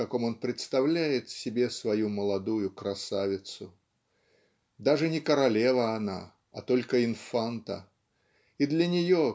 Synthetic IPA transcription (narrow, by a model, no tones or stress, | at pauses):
ɐko̞mo̞npɾʲɪt̪st̪ɐvlʲæjɪt̪sʲɪbʲe̞svɐjuməlˠɐd̪ujʊkɾɐsavʲɪt̪sʊ | d̪aʐɨnʲɪkəɾɐlʲevəːna̰ | ɐt̪o̞lʲkəɪnfant̪ə | id̪lʲɐnʲɪjo